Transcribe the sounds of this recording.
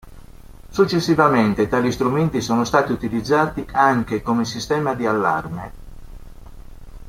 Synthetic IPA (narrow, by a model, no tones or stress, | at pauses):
sut͡ʃːesːivament̪et̪aːlist̪ɾument̪isoːnost̪aːt̪iut̪ilid̪zːaːt̪iaŋkekomesist̪ɛːmad̪ialːa̰rme